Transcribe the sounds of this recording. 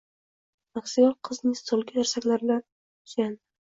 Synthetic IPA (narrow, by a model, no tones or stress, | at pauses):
maksijɒlqʰɨznɪŋst̪ʰolˠɡʲaeɾsakʲlaɾbɪlan | sʲan